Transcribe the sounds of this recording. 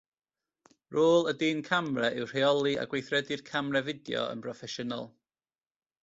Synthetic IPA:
roːlˠədiːnkʰamrɛʔɪwr̥eɔlˠia̰ɡwejθrɛdɨrkʰamrɛvɪdjɔ̰ə̰npʰrɔfɛʃəna̰lˠ

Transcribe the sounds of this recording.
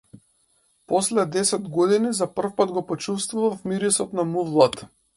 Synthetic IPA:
pɔslɛd̪ɛsɛd̪ɡɔd̪inizapr̩fpad̪ɡɔpɔt͡ʃust̪vuvafmiɾisɔt̪namuvlˠat̪

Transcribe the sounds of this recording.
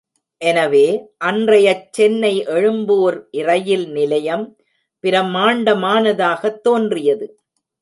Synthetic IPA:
ʔɛnɐʋeːʔɐndrɐjɐt͡ʃːɛnːɐɪʔɛɻɯmboːɾʔɪrɐjɪlnɪlɐjɐm | pɪɾɐmaːɳɖɐmaːnɐðaːɣɐt̪ːoːndrɪjɐðɯ

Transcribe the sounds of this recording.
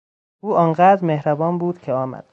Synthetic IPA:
ʔuːʔɒːnɢæːd̪ɾmehɾæbɒːnbuːd̪̥cʰeɒːmæ̰d̪̥

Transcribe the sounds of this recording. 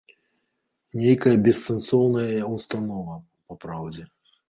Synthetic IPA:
nʲejkɐjɐbʲɛsːɛnsɔwnɐjɐɐust̪anɔvɐ | pɐpɾawd͡zʲɛ

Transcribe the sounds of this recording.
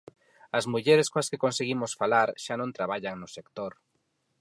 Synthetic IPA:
ɐzmuʎeɾɪskõaskekonseɣimʊsfalaɾʃanõnt̪ɾaβaʎaŋnʊsekt̪oɾ

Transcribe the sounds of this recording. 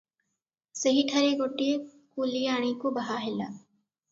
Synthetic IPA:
sɐɦiʈʰɐɾeɡoːʈːie | kuːlijaːɽ̃ikobɐɦaɦɪlaː

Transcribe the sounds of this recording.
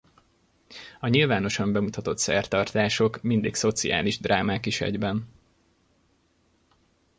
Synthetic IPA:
ɒɲilvaːno̞ʃɒmbɛmut̪ɒt̪o̞t̪sɛ̰rt̪ɒrt̪aːʃo̞kmind̪ḭkso̞t̪sia̰ːliʒd̪raːmaːkiʃɛ̰ɟbɛn

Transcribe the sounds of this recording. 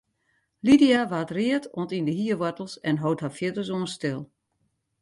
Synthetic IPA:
lidiaʋaːtriətʰoəntindəɦiəʋɔtl̩ˠsɛnɦowthafjɪtəs̬uənstɪlˠ

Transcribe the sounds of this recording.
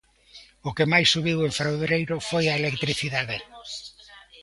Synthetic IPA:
ʊkemajsːuβiweɱfɾawβɾejɾʊfojaelekt̪ɾiθiðaðe

